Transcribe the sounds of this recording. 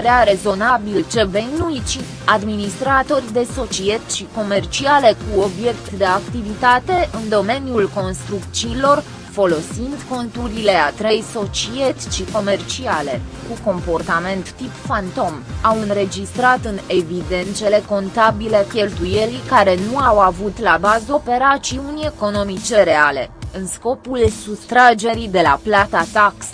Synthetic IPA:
ɾeaɾe̞zo̞nabilt͡ʃe̞venuit͡ʃi | ad̪minist̪ɾat̪o̞rʲd̪e̞so̞t͡ʃie̞t̪ʃiko̞me̞rt͡ʃiale̞kuo̞bje̞kt̪d̪e̞akt̪ivit̪at̪e̞ʔɨnd̪o̞me̞niulko̞nst̪ɾuk̪t͡ʃiːlo̞r | fo̞lo̞sind̪ko̞nt̪uɾile̞at̪ɾejso̞t͡ʃie̞t̪ʲʃiko̞me̞rt͡ʃiale̞kuko̞mpo̞rt̪ame̞nt̪ːipfant̪o̞mawɨnɾe̞d͡ʒist̪ɾat̪ɨne̞vid̪e̞nt̪sele̞ko̞nt̪abilekʲe̞lt̪uje̞ɾikaɾe̞nuawavut̪labazope̞ɾat͡ʃiunʲe̞ko̞no̞mit͡ʃe̞ɾe̞ale̞̰ɨnsko̞pulsust̪ɾad͡ʒe̞ɾid̪e̞la̰plat̪at̪aks

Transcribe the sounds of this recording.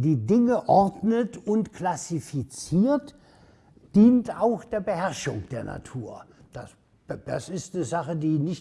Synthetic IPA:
d̥iːdɪŋəʔɔʁdnətʊntkʰlasifit͡siːɐt | d̥iːntaʊxd̥eːɐbəhɛʁʃʊŋd̥eːɐna̰tʰuːɐd̥as | d̥asɪstnəzaχədiːnɪç

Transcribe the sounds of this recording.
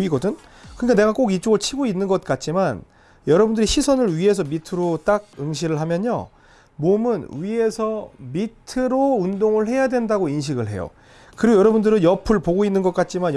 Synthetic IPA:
iɡʌdɯn | kɯɲikane̞ɡak͈oɡit͡ɕ͈oɡɯɭt͡ɕʰiɡoinːɯnɡʌt̚k͈at̚t͡ɕ͈iman | jʌɾʌbundɯɾiɕʰisʰʌnɯɭɥie̞s̬ʰʌmitʰɯɾot͈aɡ̚ɯŋɕʰiɾɯɭɦamjʌɲo̰ | momɯnɥie̞sʰʌmittʰɯɾoundoŋɯɭɦe̞jadwe̞ndaɡoinɕ̬ʰiɡɯɭɦe̞̰jo̰ | kɯɾiɡojʌɾʌbundɯɾɯnjʌpʰɯɭpoɡoinːɯnɡʌt̚k͈at̚t͡ɕ͈iman

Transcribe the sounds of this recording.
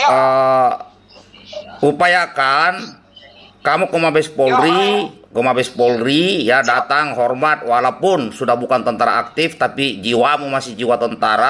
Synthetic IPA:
ə | upajakan | kamukɔmabɛspɔlɾikɔmabɛspɔlrijadat̪aŋɦɔrmat̪̚walapʊnsudahbukant̪ɔnt̪aɾa̰ak̚t̪ift̪apid͡ʒiwamumasɪhd͡ʒiwat̪ɔnt̪aɾa

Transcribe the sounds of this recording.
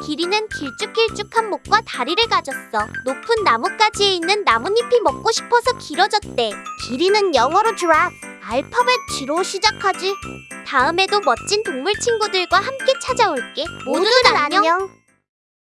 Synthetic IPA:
kiɾinɯnkiɭt͡ɕ͈ukʰiɭt͡ɕ͈ukʰanmok̚k͈wataɾiɾɯɭkad͡ʑʌs͈ʌnopʰɯnːamuk͈ad͡ʑie̞inːɯnːamuɲipʰimʌk̚k͈oɕʰi̥pʰʌsʰʌkiɾʌd͡ʑʌt̚t͈e̞kiɾinɯnjʌŋwʌɾot͡ɕuɾa | aɭpʰʌbɯt͡ɕiɾoɕʰid͡ʑakʰad͡ʑitaɯme̞domʌt̚t͡ɕ͈intoŋmuɭt͡ɕʰiŋɡudɯɭɡwahamk͈e̞t͡ɕʰad͡ʑaoɭk͈e̞modɯdaɾajʌjʌ

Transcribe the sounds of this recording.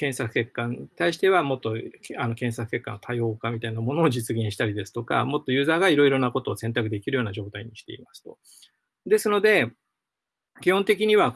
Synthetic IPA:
kẽ̞ɰ̃sakɯ̟̥ke̞kːãɲit̪aiɕi̥t̪e̞β̞amo̞t̪ːo̞ano̞kẽ̞sakɯ̟ke̞kːa̰no̞t̪ʰaio̞ːkamʲit̪ainamo̞noːd͡ʑit͡sɨɡẽ̞ɰ̃ɕi̥t̪aɾʲid̪e̞sɨ̥t̪o̞ka̰mo̞t̪ːo̞jɯ̟ːzaːɡaiɾo̞iɾo̞nako̞t̪o̞ːsẽ̞nt̪akɯ̟d̪e̞kʲiɾɯ̟jo̞ːnaʑo̞ːt̪aiɲ̟iɕi̥t̪e̞̰ḭmasɨ̥t̪o̞̥ | d̪e̞sɨno̞d̪e̞ | kʲihõ̞nt̪e̞k̬ʲiɲ̟iβa

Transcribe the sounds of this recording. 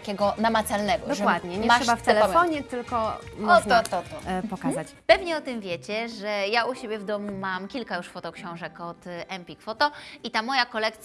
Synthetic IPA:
kʲɛɡɔnamat̪salnɛɡɔd̪ɔʐɛwad̪ɲɛɲɛmaʂɛbaft̪ɛlɛɔfɔɲɛt̪ɘlkɔ | mɔɔt̪ɔt̪ɔpɔkazat͡ɕpɛvɲɛɔt̪ɨmvʲjɛt͡ɕɛʐɛjauɕebʲjɛvd̪ɔmumamkʲilkajuʂfɔt̪ɔkɕɔ̃w̃ʐɛkɔt̪ɛmpʲikfɔt̪ɔit̪amɔjakɔlɛkt̪sʲ

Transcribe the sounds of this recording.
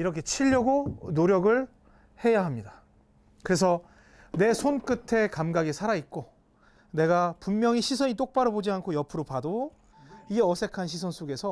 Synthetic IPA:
iɾʌkʰet͡ɕʰiʎːʌɡonoɾjʌɡɯɭ | he̞jaɦamɲida | kɯɾes̬ʰʌ | ne̞sʰonk͈ɯtʰe̞kamɡaɡisʰaɾait̚k͈o | ne̞ɡapumːjʌŋiɕʰisʰʌɲit͈ok̚p͈aɾɯbod͡ʑiankʰojʌpʰɯɾopado | iʌsʰe̞kʰanɕʰisʰʌnsʰoɡe̞sʰʌ

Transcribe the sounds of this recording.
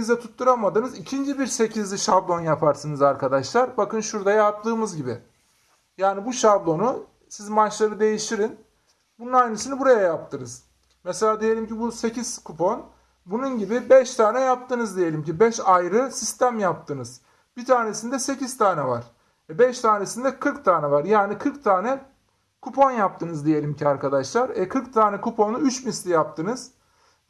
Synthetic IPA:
izd̪ɛt̪ʰut̪ʰːuɾamad̪ɯnɯzicʰind͡ʒibiɾse̞cʰizlʲiʃablˠo̞njapʰaɾsɯnɯzaɾkʰad̪aʃlˠaɾbakɯnʃuɾd̪ajap̚t̪ʰɯːmɯzɟibɪ | jaːnibuʃablˠo̞nu | sizmat͡ʃlˠaɾɯd̪e̞jiʃt̪ʰiɾin | bununajnɯsinibuɾajajap̚t̪ʰɯnɯz̥ | mɛselʲaːd̪ije̞lʲimcibuse̞ciz̥kʰupʰon | bununɟibibɛʃt̪ʰaːnɛjap̚t̪ʰɯnɯzd̪ije̞lʲimcibɛʃajɾɯsist̪ʰæmjap̚t̪ʰɯnɯz̥ | bit̪ʰaːne̞sind̪ɛse̞ciz̥t̪ʰaːnɛvaɾ̥ | ɛbɛʃt̪ʰaːnesind̪ɛkʰɯɾkt̪ʰaːnɛvaɾjaːnikʰɯɾkt̪ʰaːnɛ | kʰupʰo̞njap̚t̪ɯnɯzd̪ije̞lʲimcʰiaɾkʰad̪aʃlˠaɾɛkʰɯɾkt̪ʰaːnɛkʰupʰo̞nuyt͡ʃbinst̪ijap̚t̪ʰɯnɯz̥

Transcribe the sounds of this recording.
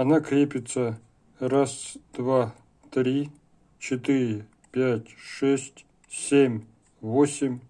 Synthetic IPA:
ɐnakɾʲepʲɪt̪sə | rasd̪̥va | t̪ɾʲi | t͡ɕʰɪt̪ɨɾʲɪ | pʲætʲʂɛsʲtʲ | sʲemʲ | vosʲɪmʲ

